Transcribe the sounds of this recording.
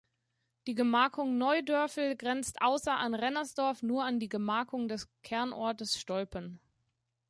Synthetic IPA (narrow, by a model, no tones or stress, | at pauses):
d̥iːɡəmaːkʰʊŋnɔʏdœɐfl̩ɡʁɛnt͡stʔaʊsɐʔanʁɛnɐsd̥ɔɐfnuːɐandiːɡəmaːkʊŋdɛskʰɛɐnʔɔɐtəsʃtɔlpən